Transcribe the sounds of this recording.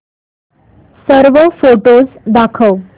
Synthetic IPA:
səɾʋəfoʈozd̪akʰəw

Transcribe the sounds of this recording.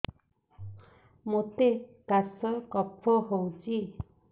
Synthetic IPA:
mot̪ekasɔkɔpʰːɔɦowt͡ʃi

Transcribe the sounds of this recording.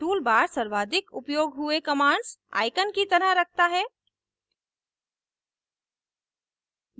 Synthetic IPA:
uːlbaːɾsəɾʋaːd̪ɪkʊ̰pjoːɡɦʊekəmãːɳɖsa̰ːɪkənkit̪əɾəɦɾək̚ʰt̪aɦɛː

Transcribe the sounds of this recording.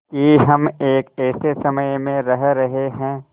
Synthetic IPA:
kiɦɐmeːkɛːsesɐməjmẽɾɐɦɾɐɦeɦɛ̃ː

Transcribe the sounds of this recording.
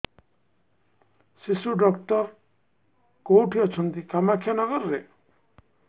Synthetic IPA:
sisuɖɔkʈɔɾ | kowʈʰiɔt͡ʃʰɔnt̪ikamakʰijanɔɡʌɾːe

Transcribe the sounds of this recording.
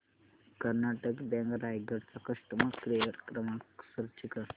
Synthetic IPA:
kəɾnaʈəkbɛ̃ŋɡɾajɡəɽsakəʂʈmãkɾejəɾkɾəmaksəɾt͡ʃikə

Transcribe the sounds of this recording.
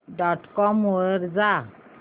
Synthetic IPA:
ɖɔʈkɔmoəɾd͡za

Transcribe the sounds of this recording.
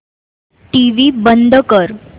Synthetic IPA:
ʈiʋibənd̪ʱəkəɾ

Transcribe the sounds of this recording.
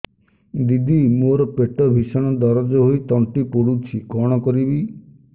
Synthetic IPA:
d̪id̪imoɾɔpeʈɔbʱisɔɽ̃ɔd̪ɔɾɔd͡ʒɔɦojt̪ɔɳʈipoɽut͡ʃʰikɔɽ̃ɔkɔɾibi

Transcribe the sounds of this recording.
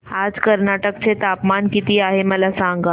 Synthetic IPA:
aːd͡zkəɾnaʈək̚t͡set̪apmankit̪iaɦeməlasãŋɡa

